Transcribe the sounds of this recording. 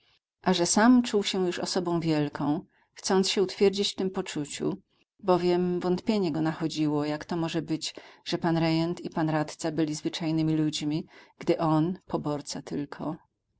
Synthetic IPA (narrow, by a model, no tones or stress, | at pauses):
ʔaʐɛsamt͡ʂuwɕɛjuʂɔ̰sɔbɔ̃w̃vʲjɛlkʰɔ̃w̃ | xt̪sɔnt̪sɕɛut̪fʲjɛɾd͡ʑit͡ɕft̪ɘmpɔt͡ʂut͡ɕṵ | bɔvʲjɛmvɔnt̪pʲjeɲɛɡɔnaxɔd͡ʑiwɔjakt̪ɔmɔʐɛbɘd͡ʑʐ̥ɛpanɾɛjɛnt̪ipanɾat̪t̪sabɘlʲizvɘt͡ʂajnɘmʲilud͡ʑmʲiɡ̥d̪ɘʔɔnpʰɔbɔɾt̪sat̪ɘlkʰɔ